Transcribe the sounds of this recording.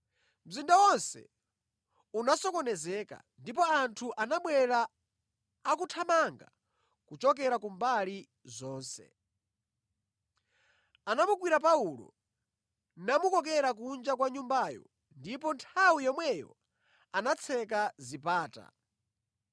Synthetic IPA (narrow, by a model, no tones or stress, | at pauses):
m̩zindawɔnsɛ̰ | unasɔkɔnɛzɛːka̰ | ndipɔantʰuʔanaɓwɛɾaː | kutʰamaŋɡa̰ | kut͡ʃɔk̬ɛɾakumbali | zɔːnsɛ̰ | anamuɡwiɾap̬aulɔ̰ | namukɔk̬ɛɾak̬und͡ʒak̬waɲumbaːjɔ̰ | ndipɔntʰawijɔmwɛjɔ̰ | anat͡sʰɛkazipaːta̰